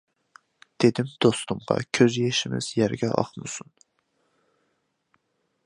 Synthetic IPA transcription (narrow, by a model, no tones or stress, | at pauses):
d̪̥ed̪ɪmd̪̥ost̪ʊmʁɑ̰kʲʰøzjeʃɪmɪ̰z̥jæɾɡʲɛʔɑ̰χmɨsun